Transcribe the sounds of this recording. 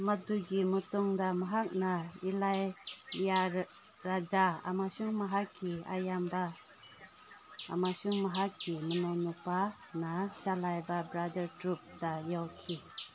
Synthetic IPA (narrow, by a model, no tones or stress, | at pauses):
maduɡimutɔŋdamaɦak̚nailajːa | ɾad͡ʒaa̰masuŋmaɦakʰːia̰jamba | masuŋmaɦakːimənɔwnɔpa | nat͡ʃalajbabɾadəɾtɾup̚dajawkʰi